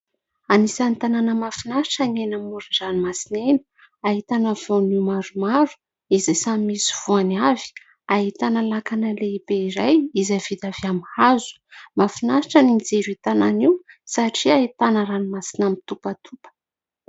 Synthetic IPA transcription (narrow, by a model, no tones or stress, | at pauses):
anisant̪ananəmafinaʃi̥ʈ͡ʂənenamuɾinzanimasineni̥ | aɦit̪anəv̥onimaɾumaɾu̥ | izajsamimisi̥v̥uaniavi̥ | aɦit̪analakanəleibeiɾajizav̥id̪aviamhazu̥mafinaʃiʈ͡ʂənind͡zeɾit̪ananiwsaʈ͡ʂiaɦit̪anəɾanimasinamit̪upət̪ʰupə̥